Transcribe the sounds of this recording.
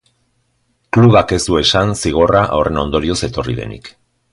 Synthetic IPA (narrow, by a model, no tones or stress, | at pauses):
kluɣake̞zd̪ue̞sansiɣ̞o̞raʔawre̞no̞nd̪o̞ɾio̞se̞t̪o̞riðe̞̰nḭk